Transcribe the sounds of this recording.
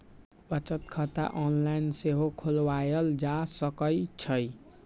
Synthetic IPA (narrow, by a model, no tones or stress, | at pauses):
bət͡ʃət̪kʰət̪a̰ʔɔnlainseɦokʰolwajəld͡ʒasəkəjt͡ʃʰʌj